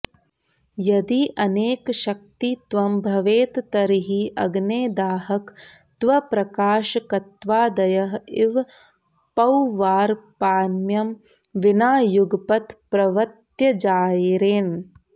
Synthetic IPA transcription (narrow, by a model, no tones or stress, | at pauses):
jɐd̪iʔɐneːkʃɐk̚t̪it̪ʋɐmbʱɐʋeːt̪t̪ɐɾiɦiʔɐɡneːd̪aːɦɐk | t̪ʋɐpɾɐkaːʃɐkɐt̪ʋaːd̪ɐjɐɦiʋ | pɐwʋaːɾpaːnjɐm | ʋinaːjuɡɐpɐt̪pɾɐʋɐt̪jɐd͡ʒaːjiɾeːn